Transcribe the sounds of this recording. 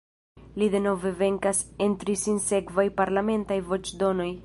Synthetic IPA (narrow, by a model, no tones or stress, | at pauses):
lid̪e̞no̞ve̞ve̞ŋkasent̪ɾisinse̞kvajpaɾlame̞ntajvo̞t͡ʃd̪o̞no̞j